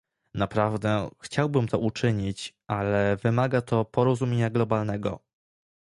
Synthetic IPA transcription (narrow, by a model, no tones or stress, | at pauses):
napɾavd̪ɛxt͡ɕawbɘmt̪ɔʔut͡ʂɘɲit͡ɕʔalɛvɘmaɡat̪ʰɔpɔɾɔzumʲjeɲaɡlɔbalnɛɡɔ̰